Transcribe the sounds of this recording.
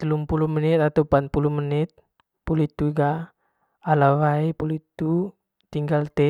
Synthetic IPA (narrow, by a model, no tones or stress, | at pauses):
t̪əlumpulumənit̪at̪aupat̪̚puluməniɪt̪̚ | pulit̪uiɡaː | lawaipulit̪u | t̪iŋɡalt̪ɛ